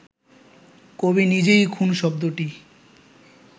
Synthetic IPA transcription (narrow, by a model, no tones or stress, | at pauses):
kobinid͡ʑejkʰunʃɔbd̪oʈi